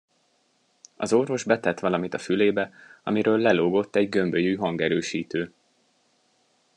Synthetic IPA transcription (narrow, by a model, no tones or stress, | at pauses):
ɒ̰zo̞rvo̞ʒbɛt̪ɛt̪ʋɒlɒmit̪ɒfyleːbɛɒ̰miɾøːlːɛloːɡo̞t̪ːɛɟɡø̞mbøjyːɦɒŋɡɛɾøːʃiːt̪øː